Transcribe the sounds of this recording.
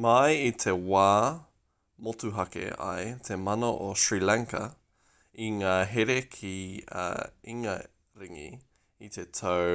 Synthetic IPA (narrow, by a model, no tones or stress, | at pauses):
mɐjit̪ʰewaː | motuɦɐkḛɐ̰jt̪ʰemɐnoʔoʃɹilaŋkɐ | iŋaːɦeɾekʰḭ | iŋɐ | ɾiŋḭ | it̪ʰetʰo